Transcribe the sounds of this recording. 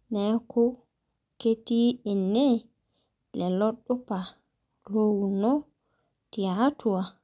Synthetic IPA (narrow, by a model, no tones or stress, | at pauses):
nɛkʰɔ | ketiɛnːɛ | lɛlɔɗːɔpa | lowunɔ | tiatuwa